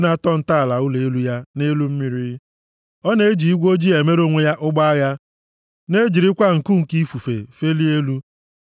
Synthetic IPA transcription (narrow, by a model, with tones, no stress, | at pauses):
na˦tɔ˦n̩˨ta˦a˨la˨ʊ˦le˨e˦lu˦ja˦ne˦lu˦m̩˦mi˦ɾi˦ | ɔ˦ne˨˦d͡ʒi˨i˦ɡʷo˦d͡ʒi˦e˨me˦ɾo˦ŋʷe˦ja˦ʔʊ˦ɡ͡ba˦a˦ɣa˦ | ne˦d͡ʒi˨ɾi˦kʷa˦ŋ̩˨ku˦ŋ̩˨ki˦fu˨fḛ˨fe˦li˦e˦lu˦